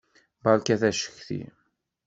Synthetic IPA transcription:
bɑlkæθæʃə̥çθḭ

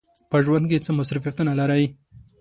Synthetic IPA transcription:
pəʒwand̪̚k̬et͡səmasɾɪfijat̪unalaɾawi

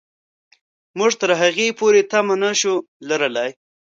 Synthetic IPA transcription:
muʐt̪əɾɦaɣepoɾet̪amanaʃu | laɾəlaj

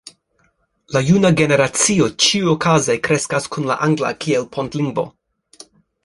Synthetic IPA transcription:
lajunaɡe̞ne̞ɾat͡sio̞t͡ʃiujokʰazejkɾe̞skaskʰunla̰ʔaŋɡla̰kʰielpʰontliŋɡvo̞̰

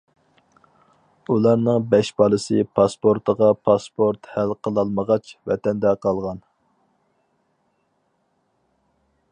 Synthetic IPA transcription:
ulˠɑɾnɨŋbɛʃbɑlˠɨsɨpʰɑspoɾt̪ʰəʁɑpʰɑspʰoɾt̪hælqʰəlˠɑlˠməʁɑt͡ʃvɛt̪ʰɛnd̪ɛqʰɑlˠʁɑn

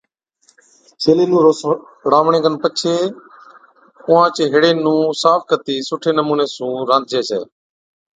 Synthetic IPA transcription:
t͡ʃeːleːnũː | ɽaːʋɳẽːɡənpət͡ʃʰeː | ʊːãːt͡ʃeːɦɪɽeːnũːsaːpʰkət̪iːsʊʈʰeːnəmuːneːsũːɾãːd̪̚d͡ʒeːsḛː

